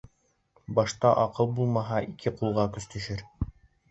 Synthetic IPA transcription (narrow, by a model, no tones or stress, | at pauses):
bɑʃt̪ɑʔɑqɤlˠbulˠmɑɦɑʔikʰɘqulˠʁɑkɵ̆st̪ɵ̆ʃɘɾ